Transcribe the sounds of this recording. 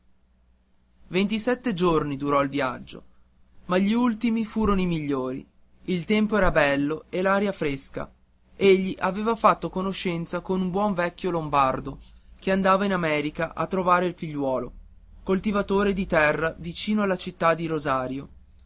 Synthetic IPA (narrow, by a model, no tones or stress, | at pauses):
vent̪isɛt̪ːed͡ʒornid̪uɾɔilvja̰d͡ʒːo̰ | maʎːiult̪imifuːɾonoimiʎːoːɾḭ | ilt̪ɛmpoɛːɾabɛlːoelaːɾjafɾeska̰ | eʎːiʔaveːvafat̪ːokonoʃːɛnt̪sakonumbwɔɱvɛkːjolombard̪okeand̪aːvainamɛːɾikaʔa̰t̪ːɾovaːɾeilfiʎːwɔːlo | kolt̪ivat̪oːɾed̪it̪ɛrːavit͡ʃiːnoalːat͡ʃit̪ːad̪ːiɾozaːɾjo